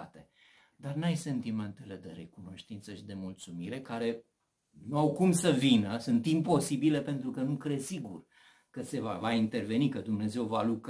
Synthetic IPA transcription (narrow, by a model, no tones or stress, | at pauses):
at̪e | d̪arnajse̞nt̪ime̞nt̪e̞le̞d̪e̞ɾe̞kuno̞ʃt̪int̪səʃid̪e̞mult̪sumiɾe̞kaɾe̞ | nuawkumsəvinəsunt̪impo̞sibile̞pe̞nt̪ɾukənukɾe̞siɡṵr | kəse̞vavaint̪e̞rve̞nikəd̪umne̞ze̞wvaluk